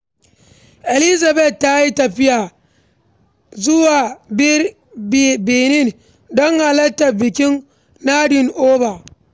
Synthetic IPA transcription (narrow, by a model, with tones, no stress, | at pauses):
ʔɛ˨lɪ˦za˨bɛ˨t̚ːa˦ji˦tɐ˨ɸɪ˦jaː˨ | zʊ˦waː˨b | beː˨nɪ˦˨n | dɔ˦ŋha˨lɐ˦tːa˨bɪ˨kʲɪ˦n | naː˦dɪ˨nʔoː˦ba˨